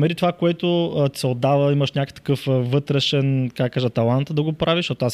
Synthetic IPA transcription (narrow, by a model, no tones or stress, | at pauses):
mɛɾit̪ovakoɛt̪oət̪sɛod̪ːavəiməʃnʲakə̥t̪ɐ̥kɤfvɤt̪ɾɛʃɛnkaɡkaʒət̪ːɐlˠant̪d̪ɐɡopɾʔaviʃt̪ɔt̪ʊas